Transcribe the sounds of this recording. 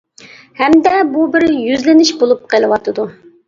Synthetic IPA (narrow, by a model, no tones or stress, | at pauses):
hɛmd̪ɛbubɪɾjyzlɪnɪʃbolˠup̚qʰəlˠɨwɑt̪ʰɨd̪u